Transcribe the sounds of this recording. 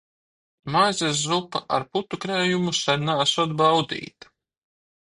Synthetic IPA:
majzʲeszupaʔa̰ɾput̪ukɾɛːjumusaɾʲnaːsɔd̪̚bawd̪ḭːt̪ḁ

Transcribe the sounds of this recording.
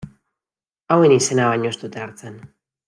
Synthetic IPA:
awe̞nise̞naβaɲoest̪ut̪eaɾt͡sen

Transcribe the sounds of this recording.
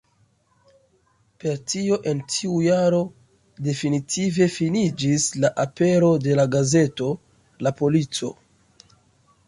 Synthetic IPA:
pe̞ɾtio̞ʔe̞ntʰiujaɾo̞ | de̞finitʰive̞finid͡ʒislaʔape̞ɾo̞de̞laɡaze̞to̞ | lapo̞lit͡so̞̰

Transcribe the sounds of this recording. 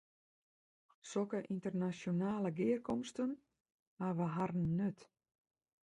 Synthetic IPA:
sɔkəʔintərnasjonaːləɡɪːərkɔmstən | haʋəɦarn̩ːøt

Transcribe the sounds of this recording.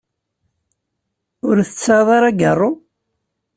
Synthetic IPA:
ʊɾθət͡sːaðˤɑɾˤaɡərˤːo

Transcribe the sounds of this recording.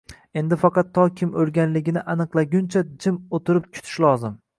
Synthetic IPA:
e̞nd̪ɪfɑqʰɑt̪ʰːɒkʲʰɪmoɾɡʲanlɪɡʲɪnɪʔanɨqlˠaɡʲʊnt͡ʃʰad͡ʒɪmot̪ʰɪɾɪp̚kʲʰʊ̥t̪ʰɪ̥ʃlˠɒzɪm

